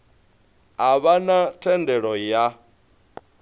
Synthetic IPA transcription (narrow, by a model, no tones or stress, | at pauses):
aβanatʰɛndɛɺɔja